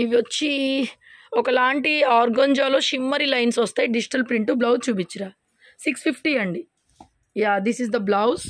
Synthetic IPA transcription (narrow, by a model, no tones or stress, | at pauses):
iʋiʋɐt͡ʃːi | ɔkɐlaːɳʈiaːɾɡɐnd͡ʒaːloːʃimːɐɾilɐjnsɐst̪ejɖid͡ʒiʈɐlpɾiɳʈublɐwdt͡ʃuːp̬it͡ʃːiɾaː | sikspʰipʰʈiːɐɳɖi | jaːd̪isizd̪ɐblɐwz